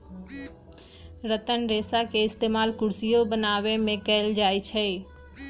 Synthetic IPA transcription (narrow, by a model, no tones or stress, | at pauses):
ɾət̪ənɾeːsakeɪst̪eːmaːlkʊɾsijobənaːwemẽkɛɪld͡ʒaːit͡ʃʰɛ